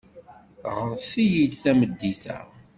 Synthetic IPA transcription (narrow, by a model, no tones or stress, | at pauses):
ʁəɾθijid̪θæməd̪ːiθæ̰